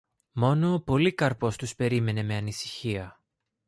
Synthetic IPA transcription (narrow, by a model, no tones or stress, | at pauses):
mo̞no̞ːpo̞likɐɾpo̞st̪uspe̞ɾime̞ne̞me̞ɐnisi̥çiɐ